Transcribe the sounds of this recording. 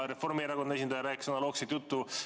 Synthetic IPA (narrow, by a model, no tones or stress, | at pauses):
ɾe̞fo̞rmieɾɑkonɑes̬ʲind̪ɑjɑɾæːksonɑlo̞ːkset̪jut̪ːu